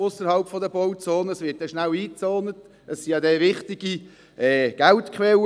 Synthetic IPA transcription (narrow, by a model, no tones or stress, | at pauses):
ʊsəɾhɑlpfɔdəbɔʊt͡soːnəəsʋɪɐt̚dɛʃnæwiːt͡sɔːnət | əsːiɑd̪ɛʋɪχt̪ɪɡ̥i | ɛːɡ̥æltkʰʋɛl